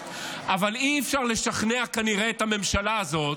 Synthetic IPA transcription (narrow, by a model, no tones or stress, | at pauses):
ʔavaliefʃaʁle̞ʃaχneakaniʁeːt̪ame̞mʃalaːzo̞t̪